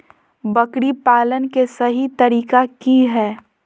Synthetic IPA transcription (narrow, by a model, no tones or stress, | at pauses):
bɐkɽipaːlənkesɐɦit̪ɐɾiːkakiɦɛː